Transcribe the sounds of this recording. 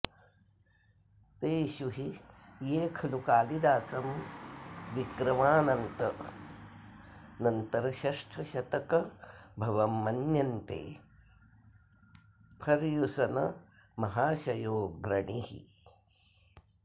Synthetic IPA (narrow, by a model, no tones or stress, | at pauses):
t̪eːʃuɦijeːkʰɐlukaːlid̪aːsɐm | ʋikɾɐmaːnɐnt̪ɐ | nɐnt̪ɐɾɐʃɐʂʈʰɐʃɐt̪ɐkɐbʱɐʋɐmːɐnjɐnt̪ḛː | pʰɐɾjusɐnɐ | mɐɦaːʃɐjoːɡɾɐɳiɦḭ